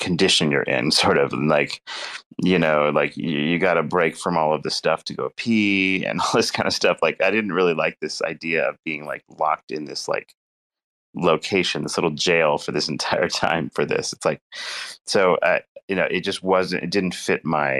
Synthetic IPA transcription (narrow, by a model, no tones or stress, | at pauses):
kʰɨn̩dɪʃɨ̃njə̰˞ʔɪ̰̃nsɔɹɾʌvɨ̃n̩laɪk | jɨnoʊlaɪkɨjɨɡɑɾɨbɹeɪkfɹʌ̃mɔlˠʌvðɨstʌftʰɨɡoʊpʰiɨ̰̃nɔlˠðɪskʰãɪ̃ndɨstʌflaɪkaɪdɪdⁿn̩t̚ɹɪlˠilaɪk̚ðɪsa̰ɪdiɨʌ̰vbiɪ̃ŋla̰ɪk̚lɑ̰k̚tɨ̃nðɪsla̰ɪk | loʊkʰeɪʃɨ̃n̩ðɪslɪɾl̩ˠd͡ʒeɪlˠfə˞ðɪsn̩tʰaɪə̰˞tʰã̰ɪ̃ɱfə˞ðɪ̰sɨ̥tslaɪk̚soʊʔa̰ɪjɨnoʊʔɨt̚d̥ʒ̥ʌst̚wʌzɨ̰̃ntɨ̰t̚d̥ɪdⁿn̩tfɪt̚maɪ